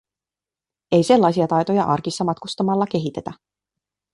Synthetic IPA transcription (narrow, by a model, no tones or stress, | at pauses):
e̞jse̞lːɑjsiɑt̪ɑjt̪o̞jɑʔɑ̰rkisːɑmɑt̪kust̪ɑmɑlːɑk̟e̞ɦit̪e̞t̪æ